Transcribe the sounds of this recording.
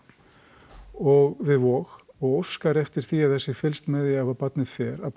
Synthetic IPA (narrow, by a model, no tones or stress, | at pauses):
ɔɣvɪðvɔːɣ | ɔɣowskaɾɛft̪ɪɾ̥θiaðθɛsɪfɪlst̪mɛðɪavaɾpat̪nɪfɛːɾap